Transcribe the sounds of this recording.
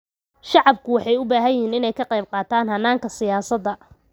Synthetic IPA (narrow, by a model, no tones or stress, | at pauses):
ʃɑʕɑb̚kʰʊwɑħɑjʊbaːɦɐjɦiːnɪnɛjkʰɐqɑjb̚qɑːt̪ʰaːnɦɐnːaːŋkʰɐsɪjaːsɐd̪ɐ